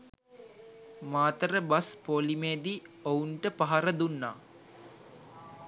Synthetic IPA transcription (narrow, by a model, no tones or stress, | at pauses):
maːt̪əɾəbaspolimeːd̪iouɳʈəpaɦaɾəd̪unːaː